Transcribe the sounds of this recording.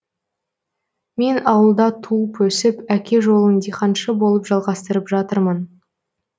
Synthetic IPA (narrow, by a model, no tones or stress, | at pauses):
me̞nɑwəlˠd̪ɑt̪ʰuəpɵsɪpækʲe̞ʒo̞lˠənd̪ijqʰɑnʃəbo̞lˠəpʒɑlˠʁɑst̪əɾəpʒɑt̪əɾmən